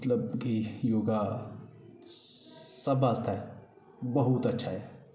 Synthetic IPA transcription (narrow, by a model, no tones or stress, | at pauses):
t̪ləbkijoːɡa | sɐbaːst̪ʰaɦɛ | bɐɦut̪ɐtːʃʰaɦɛː